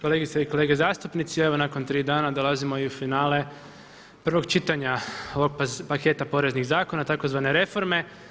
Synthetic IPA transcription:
ko̞leɡit̪saiko̞le̞ːɡezaːst̪upnit̪sieʋo̞nako̞nt̪ɾiːd̪aːnad̪o̞lazimo̞iufinaːle̞ | pr̩ʋo̞ɡt͡ʃit̪aɲaoʋoɡ̚ppake̞t̪apo̞ɾe̞zniɣzaːko̞nat̪akozʋane̞ɾe̞fo̞ɾme̞

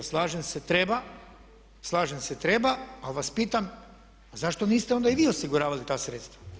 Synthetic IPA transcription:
slˠaːʒemset̪ɾeba | slˠaːʒemse̞t̪ɾe̞baaʋaspiːt̪am | azaʃt̪o̞niːst̪eo̞nd̪aiʋiːosiɡuɾaːʋalit̪aːsɾeːt̪st̪ʋa

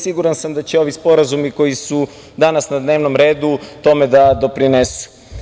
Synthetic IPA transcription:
siɡuɾansamd̪at͡ɕeo̞ʋispo̞ɾazumiko̞jisu | d̪anasnad̪ne̞ːʋno̞mɾe̞ːd̪ut̪o̞me̞d̪ad̪o̞pɾinesu̥

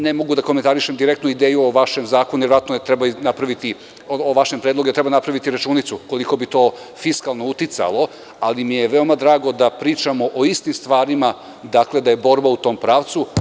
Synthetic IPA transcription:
nemo̞ɡud̪akoment̪aɾiʃemd̪iɾekt̪nuid̪eːjuoʋaʃemzaːkonuvjɾoʋat̪nojet̪ɾebanapɾaʋit̪i | ooʋaʃempɾed̪lˠoɡuet̪ɾe̞banapɾaʋit̪iɾat͡ʃuːnit̪suko̞liko̞bit̪o̞ː | fiskalˠno̞ut̪it̪sa̰lo̞ | alimije̞ʋeo̞mad̪ɾaːɡo̞d̪apɾiːt͡ʃamo̞ʔoist̪imst̪ʋaːɾima | d̪akle̞d̪ajeboɾbaut̪o̞ːmpɾaːʋt̪su

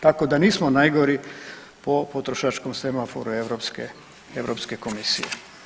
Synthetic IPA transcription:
t̪akod̪aniːsmonajɡo̞ɾi | po̞pot̪ɾoʃat͡ʃkomsemafoɾueʋɾopske | eʋɾopske̞ko̞misḭje

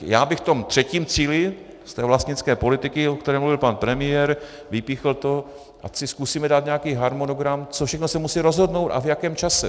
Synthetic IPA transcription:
jaːbɪxft̪o̞mt̪r̥ɛciːmt͡siːlɪ | st̪ɛːvlast̪ɲɪt͡skɛːpo̞lɪt̪ɪkɪokt̪ɛɾɛːmluvɪlpanpɾɛmɪjɛɾ | vɪpiːxlt̪o̞ | ʔa̰sɪskusiːmɛdaːt̪ɲɛakiːɦaɾmonoɡɾamt͡sofʃɛxnosɛmusiːɾo̞zɦo̞dno̞wt̪a̰vjakɛːmt͡ʃasɛ

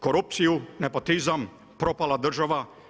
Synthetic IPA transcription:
koɾup̚t̪sijunepot̪izam | pɾopalad̪r̩ʒaʋa

